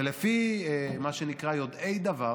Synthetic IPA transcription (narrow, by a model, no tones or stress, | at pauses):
elefimaʃenikʁajo̞d̪ejd̪ava